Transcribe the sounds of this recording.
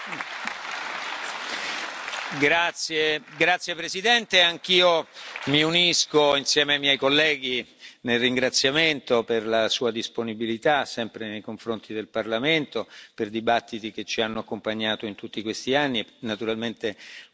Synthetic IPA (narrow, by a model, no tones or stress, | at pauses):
ɡɾat̪sjeɡɾat̪sjepɾezid̪ɛnt̪eaŋk̟iːomiuniskoinsjɛːmeajmjɛjkolːɛːɡ̟inelriŋɡɾat̪sːjament̪operlasuːad̪isponibilit̪asɛmpɾenejkoɱfɾont̪ʰid̪elparlament̪operd̪ibat̪ːit̪ik̟et͡ʃːianːoakːompaɲːaːt̪oint̪ut̪ːikwest̪ianːienat̪uɾalment̪e